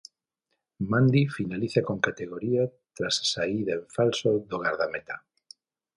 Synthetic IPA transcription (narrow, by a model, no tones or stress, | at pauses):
mãnd̪ifinaliθakoŋkat̪eɣoɾiat̪ɾassaiðaeɱfalsoðoɣaɾðamet̪a